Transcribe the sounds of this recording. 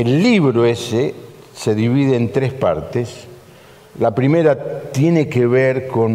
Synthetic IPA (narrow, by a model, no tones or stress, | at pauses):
elːiβɾoese | se̞ðiβiðeːnt̪ɾespa̰ɾt̪es | lapɾime̞ɾat̪jenekeβeɾko̞n